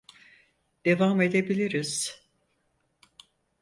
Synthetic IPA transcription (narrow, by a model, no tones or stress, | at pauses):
d̪̥e̞vame̞d̪ebilʲiɾiz̥